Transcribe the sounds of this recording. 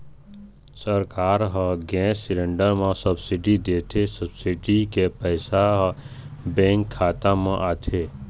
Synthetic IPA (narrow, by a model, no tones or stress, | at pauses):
səɾkaːɾɦə̃ɡɛ̃ːsɪɾẽɳɖəɾmãsəbsiɖid̪eːt̪ʰesəbsiɖikepɛɪsaɦ | bɛ̃ːŋkʰːaːt̪ãmãʔaːt̪ʰe